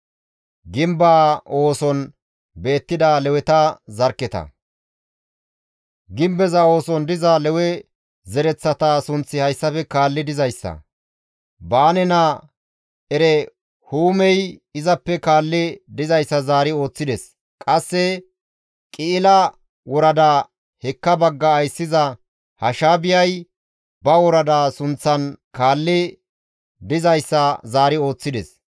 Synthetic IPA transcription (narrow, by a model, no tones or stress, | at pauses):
ɡɪmbaːo̞ːsɔn | be̞ːt̪ːɪd̪alɛwɛt̪ɐzɐɾkːɛt̪ɐ̰ | ɡɪmbɛzɐo̞ːsɔnd̪ɪzaːlɛwɛ | zɛɾɛt͡sːɐt̪aːsʊnt͡sːɪhɐjsːɐfɛkaːlːɪd̪ɪzɐjsːɐ̰ | baːnɛnɐ | ɛɾɛ | huːmɛjɪzɐpːɛkaːlːɪd̪ɪzɐjsːɐzaːɾɪo̞ːt͡sːɪd̪ɛs | kʼɐsːɛ | kʼɪɪlɐ | wɔɾɐd̪aː | hɛkːɐbɐɡːɐːjsːɪzɐ | hɐʃaːbɪjɐj | bɐwɔɾɐd̪aːsʊnt͡sːɐnkaːlːɪ | d̪ɪzɐjsːɐzaːɾɪo̞ːt͡sːɪd̪ɛs